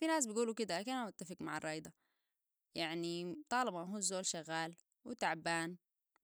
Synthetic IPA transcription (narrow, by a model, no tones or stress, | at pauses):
finaːs̬bɪɡuːlukɪd̪akanamat̪ːafɪkmaʕɑ̰rˤːɑːjd̪ˤɑ | jaʕnit̪ˤɑːlɑbaɦuzoːlʃaɣːaːl | wɪt̪aʕbaːn